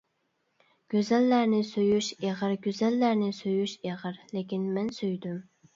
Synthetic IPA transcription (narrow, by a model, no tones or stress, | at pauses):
ɡ̥ʲøzɛlːæɾnɪsøjyʃeʁəɾɡʲøzɛlːæɾnɪsøjyʃeʁəɾlekʲinmɛnsøjd̪ym